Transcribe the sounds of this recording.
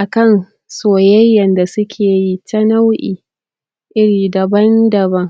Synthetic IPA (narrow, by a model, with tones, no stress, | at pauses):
ʔa˨kɐ˦˨n | soː˨jɐ˦jːɐ˨nda˨sʊ˦kʲʰeː˨ji˦tɐ˦na˦wʔiː˨ | ʔɪ˦ɽiː˨dɐ˨bɐ˦ndɐ˨bɐ˦ŋ